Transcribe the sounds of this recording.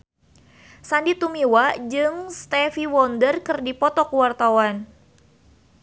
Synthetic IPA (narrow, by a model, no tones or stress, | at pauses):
sandit̪umiwad͡ʒɨŋst̪ɛfiwɔndərkɨrdipɔt̪ɔkuwart̪awan